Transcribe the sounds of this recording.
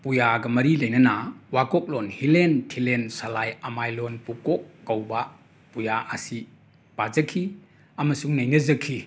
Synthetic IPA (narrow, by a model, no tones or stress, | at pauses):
pujaɡɐmɐɾilɐjnɐnawakɔk̚lɔnhilentʰilensalajamajlɔnpukɔkːawba | pujaʔːsi | pazɐkʰi | amɐsuŋnɐjnɐzɐkʰi